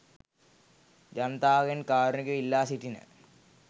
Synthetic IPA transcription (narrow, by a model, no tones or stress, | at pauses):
d͡ʑɐnt̪aːɣɐnkaːɾunɐkːuilːaːsiʈːinɨ̰